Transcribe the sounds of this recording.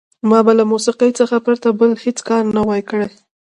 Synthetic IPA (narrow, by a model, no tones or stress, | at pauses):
mɑbalamusiqəjt͡səxapɾat̪abəlhet͡skɑɾnawajkəɽaj